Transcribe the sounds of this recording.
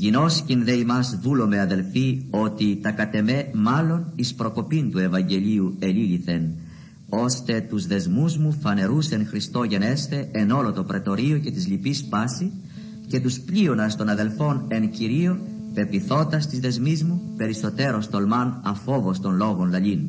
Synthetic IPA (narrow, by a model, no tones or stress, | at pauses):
ʝino̞scinðe̞imɐzðulo̞me̞ɐðe̞lfio̞t̪it̪ɐkɐt̪e̞me̞mɐlo̞nispɾo̞ko̞pint̪ue̞vɐɲɟe̞ʎiue̞liliθe̞n | o̞st̪e̞t̪uzðe̞zmuzmufɐne̞ɾusenxɾist̪o̞ʝene̞st̪e̞eno̞lo̞t̪o̞pɾe̞t̪o̞ɾioce̞t̪izlipispɐsi | ce̞t̪uspʎio̞nɐst̪o̞nɐðe̞lfo̞ne̞nciɾio̞pe̞piθo̞t̪ɐst̪izðe̞zmizmupe̞ɾiso̞t̪e̞ɾo̞st̪o̞lmɐnɐfo̞vo̞st̪o̞nlo̞ɣo̞nlɐʎin